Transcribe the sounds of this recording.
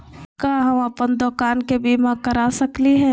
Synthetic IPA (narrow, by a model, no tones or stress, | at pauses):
kaːɦɐmɐpənd̪ɔːkaːnkebiːmãkɐɾaːsɐkliɦɛː